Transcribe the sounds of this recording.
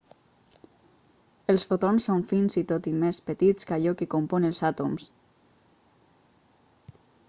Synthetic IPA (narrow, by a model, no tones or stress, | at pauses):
əlˠsfot̪onsːoɱfinzit̪ot̪imespət̪it͡skaʎɔkekomponelˠzat̪oms